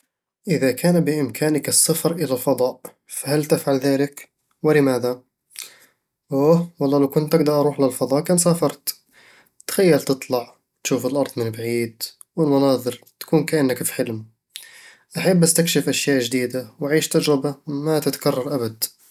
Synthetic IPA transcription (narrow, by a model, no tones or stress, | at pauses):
ʔɪðakʰaːnbɪʔɪmkʰaːnɪkɨsːɑfɾʔɪlalfɑðˤɑːʔ | fahalt̪ɪfʕalðaːlɪk | wɪlɪmaːða | ʔoːwɑlˤːɑːlawkʊnt̪ʔaɡ̚d̪ɑɾˤʔɑɾˤuːħlalfɑðˤɑːʔkaːnsaːfɑɾˤt̪ | t̪xajːalt̪ɨt̪ˤlɑʕ | t̪ʃuːfɪlʔɑɾˤd̪ˤmɪnbaʕiːd̪ | wɪlmɑnɑːðˤɨɾt̪ḁkuːnkaʔanːakfħɪlm | ʔaħabːast̪ɪkʃɪfʔaʃjaːʔd͡ʒd̪iːd̪awaʕiːʃt̪ad͡ʒɾɪbamat̪ɪt̪ḁkɑrˤːɑɾˤʔabad̪